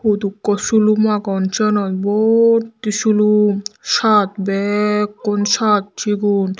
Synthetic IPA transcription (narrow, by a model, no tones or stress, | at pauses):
hut̪ukːɔsulumakɔnt͡ʃɔnɔt̪boɾt̪ːiʃuluʃat̪bɛkːonʃat̪̚t͡ɕiɡun